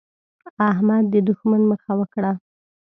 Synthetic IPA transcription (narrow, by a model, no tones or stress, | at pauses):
aɦmad̪ːəd̪uxmanməxawəkɽa